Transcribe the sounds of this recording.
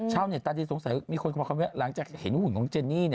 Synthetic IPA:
t͡ɕʰaː˥˩wni˧˩ət̪aː˧t̪ʰiː˧˩so˨˩˦ŋsa˨˩˦jmiː˧kʰo˧nkːʰmi˦˥la˩˦ŋt͡ɕaː˨˩k̚he˨˩˦nhu˨˩nkʰɔ˨˩˦ŋt͡ɕe˧nːiː˥˩ni˧˩

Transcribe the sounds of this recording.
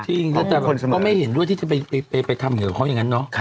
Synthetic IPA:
t͡ɕʰi˥˩ŋlɛː˦˥˩t̪ɛː˨˩bo˧nsa˧mkɔ˥˩ma˥˩jhe˩˦ndu˥˩əjt̪ʰiː˥˩t͡ɕa˨˩pa˧jpa˧jpa˧jpa˧jt̪ʰa˧mja˨˩˨kʰa˦˥ja˨˩ŋa˦˥nːɔ˦˥˩

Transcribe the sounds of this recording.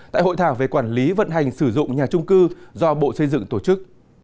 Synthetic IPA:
t̪a̰ː˧˨jɦo̰˧˨jt̪ʰaː˧˩wve˨˩kwaː˧˩nli˨˦və̰˧˨nɦa˨˩jŋsɨ˧˩zʊ̰˧˨ŋ͡mɲaː˨˩t͡ɕʊ˧ŋ͡mkɨ˧zɔ˧ɓo̰˧˨sə˧jzɨ̰˧˨ŋt̪o˧˩t͡ɕɨ˦˥k̚

